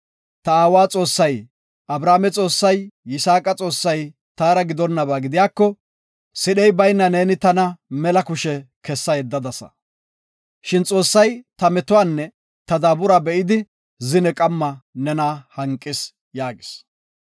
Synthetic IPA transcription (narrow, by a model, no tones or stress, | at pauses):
t̪ɐaːwaːt͡sʼo̞ːsːɐj | ʔɐbɾaːmɛt͡sʼo̞ːsːɐjːɪsaːkʼɐt͡sʼo̞ːsːɐj | t̪aːɾɐɡɪd̪ɔnːɐbaːɡɪd̪ɪjaːkːɔ | sɪɗɛjbɐjnːɐne̞ːnɪt̪ɐnɐmɛlɐkʊʃɛkɛsːɐjɛd̪ːɐd̪ɐsɐ̰ | ʃɪnt͡sʼo̞ːsːɐjt̪ɐmɛt̪ʊwaːnːɛ | t̪ɐd̪aːbʊɾabɛʔɪd̪ɪ | zɪnɛkʼɐmːɐnɛnaːhɐŋkʼːɪs | jaːɡɪs